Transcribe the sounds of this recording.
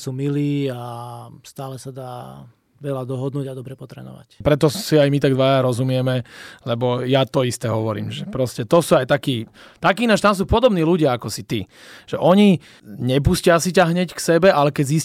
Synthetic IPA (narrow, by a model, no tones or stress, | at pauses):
suːmiliːast̪aːlɛsad̪aː | ʋɛlad̪ɔɦɔd̪nuːɟad̪ɔbɾɛpɔt̪ɾɛ̰ːnɔ̰ʋa̰cpɾɛt̪ɔsiajmit̪aɡd̪ʋaːjaɾɔzumɪɛmɛlɛbɔjat̪ɔist̪ɛːɦɔʋɔɾḭːmʒɛpɾɔscɛt̪ɔsuːajt̪akiː | t̪akiːnaːʒt̪ams̬uːpɔd̪ɔbniːluɟɪaakɔsit̪i | ʒ̥ɛʔɔɲi | ɲɛp̬uscɪasicaɦɲɛcksɛbɛʔalɛkɛɟzis